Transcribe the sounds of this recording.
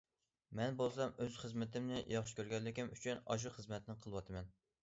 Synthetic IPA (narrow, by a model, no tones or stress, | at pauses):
mɛnbolˠsɑmøz̥χəzmɪt̪ɪmnɪjɑχʃkʲʰøɾɡʲɛnlɪkʲimyt͡ʃʰynɑ̰ʒ̬uχəzmɛt̪nɪqʰəlˠɨwɑt̪ʰɨmɛn